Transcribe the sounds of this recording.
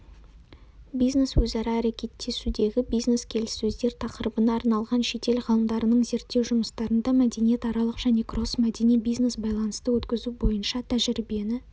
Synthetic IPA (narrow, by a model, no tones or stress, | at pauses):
bijzne̞swɵzɑɾɑːɾekʲe̞t̪ːe̞sud̪e̞ɡʲɪbijzneskʲʰe̞lɪsːɵzd̪e̞ɾt̪ʰɑqəɾəbənɑːɾnɑlˠʁɑnʃe̞t̪e̞lʁəlˠəmd̪ɑɾənəɴze̞ɾt̪ːewʒʊməst̪ɑɾənd̪ɑmæd̪e̞nije̞t̪ɑɾɑlˠəqʒ̥æne̞kro̞smæd̪e̞nibijzne̞sbɑjlˠɑnəst̪əwɵt̪kʲɪzubo̞jənʃɑt̪ʰæʒɪɾibijenɪ